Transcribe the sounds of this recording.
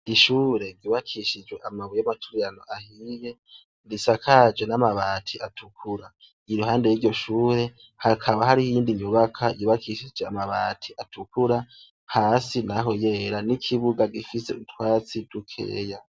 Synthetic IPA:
iʃuːɾe̞ɾɟuːβakʰiʃid͡ʒwe̞ʔamaβujamatʰu̥ɾijanoʔahiːje̞ | ndisakʰad͡ʒenamaβaːtʰiatʰukʰuɾa | iɾuhaːnde̞jiɟo̞ʃuːɾe̞ | hakʰaβaɦaɾihiːndiɲuβakʰajuβakʰiʃid͡ʒeamaβa̰ːtʰiʔatʰukʰuɾa | haːsinaɦo̞je̞ːɾanikʰiβuɡaɡifise̞utwaːt͡sidukʰḛːja

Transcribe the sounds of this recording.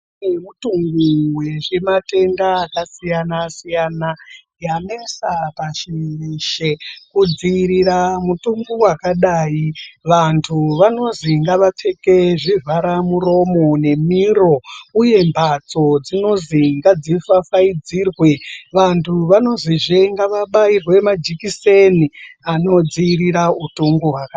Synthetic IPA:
emutuŋɡuwe̞ʐe̞mate̞ndaːkasijanasijana | janesapaʃeʃekud͡ziɾiɾamutuŋɡuwakaɗajiʋantʰuʋano̞ziŋɡaʋat͡ʂe̞ke̞ʐivaɾamuro̞mo̞ne̞miro̞uje̞mbʱat͡so̞d͡zino̞ziŋɡad͡zifafaid͡zirwe̞ʋantʰuʋano̞ziʐeŋɡaʋaɓairwe̞mad͡ʒikise̞niano̞d͡ziiɾiɾautuŋɡuɦwaka

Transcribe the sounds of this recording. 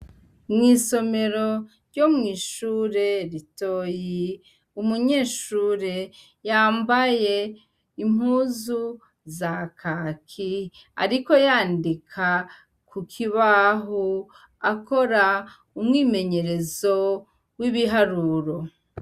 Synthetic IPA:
mŋiːso̞me̞ɾo̞ | ɾɟomŋiːʃuːɾe̞ɾito̞ji | umuɲe̞ːʃuːɾe̞ | jaːmbaje̞ | imhuzu | zakʰaːkʰi | a̰ɾiko̞jaːndikʰa | kʰukʰiβaɦo | ako̞ɾa | umŋiːme̞ɲe̞ɾe̞zo̞ | wiβiɦaɾuɾo̞

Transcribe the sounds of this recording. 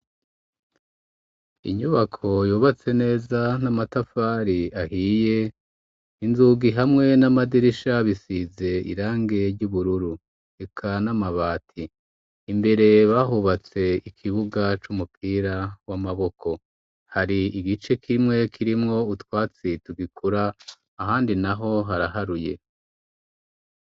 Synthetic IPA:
ḭɲuβakʰo̞juːβat͡se̞ne̞ːzanamatafaːɾiahiːje̞ | inzuɡiɦamŋe̞namadiɾiʃaβisize̞ḭɾaːŋɡe̞ɾɟuβuɾuɾu | e̞kʰanamaβaːtʰiː | mbe̞ɾe̞βaːɦuβat͡se̞ikʰiβuɡat͡ʃumupʰiːɾawamaβo̞kʰo̞ | haɾiiɡit͡ʃe̞kʰimŋe̞kʰiɾimŋo̞utwaːt͡situɡikʰuɾaː | ɦaːndinaɦo̞ɦaɾaɦaɾuje̞̰

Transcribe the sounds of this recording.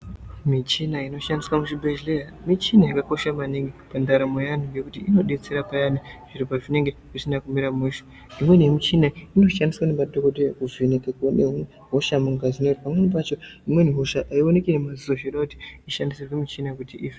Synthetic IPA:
mit͡ʃinaino̞ʃandiswamuʃibʱeʒlejamit͡ʃinaikako̞ʃamaniŋɡipandaɾamojan̤uŋɡe̞kutiino̞ɗe̞t͡se̞ɾapajaniʐ̥iɾipaʐine̞ŋɡe̞kusinakumiɾamuʃo̥ | imwe̞nemit͡ʃinaino̞ʃandiswanemadʱo̞kodejekuvinekakane | ɦoʃamuŋɡazinotipamwenip̬at͡ʃo̞imwe̞niɦo̞ʃaʔaiwone̞kinemazioʃeɗakuti̥iʃandisirwemit͡ʃinaekutiiːfe

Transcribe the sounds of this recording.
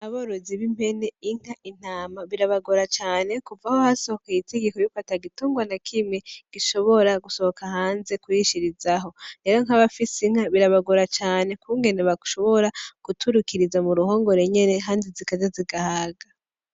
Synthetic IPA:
aβoɾoziβimpe̞ne̞iŋ̥haʔin̥aːmaβiɾaβaɡoɾat͡ʃaːne̞kuvahohaso̞hokajite̞ɡekojufataɡituːŋɡwanakʰimŋe̞ɡ̥iʃo̞βo̞ɾaɡuso̞hokahaːnze̞kujiʃiɾizaɦo̞ne̞ɾo̞ŋ̥haβafisiŋ̥haβiɾaβaɡoɾat͡ʃaːne̞kuŋɡe̞neβaɡuʃo̞βo̞ɾakutʰuɾukiɾizamuɾuɦo̞ːŋɡo̞ɾe̞ɲe̞ne̞ɦaːndizikad͡ʒaziɡahaɡa

